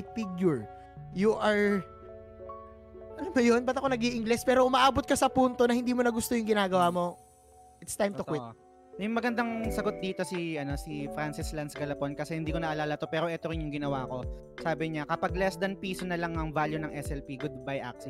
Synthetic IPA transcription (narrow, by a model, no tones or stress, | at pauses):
fiɡjʊɹ | juʔɐɹ | ʔɐlɐmɐjonbɐt̪ɐkonɐɡiʔɪŋɡlɛspɛːɾo̞ʔʊmɐʔaːbot̪̚kɐsɐpunt̪o̞nɐhɪnd̪iːmonɐɡʊst̪ojʊŋɡɪnaːɡɐwaːmo̞ | ʔɪt̪st̪ajmʊkwɪt | jʊŋmɐɡɐnd̪ɐŋsɐɡo̞t̪̚d̪iːt̪o̞siɐno̞sifɾansɪslɐnsɡɐlɐponkɐsɛhɪnd̪iːko̞nɐʔɐlaːlɐt̪o̞pɛːɾoʔɛt̪o̞ɾɪnjʊŋɡɪnɐwaːko̞ | saːbɪɲakɐpɐɡ̚lɛsd̪ɐnpiːsonɐlɐŋɐŋvaljunɐŋʔɛsɛlpiɡʊd̪̚bajʔa̰k̚si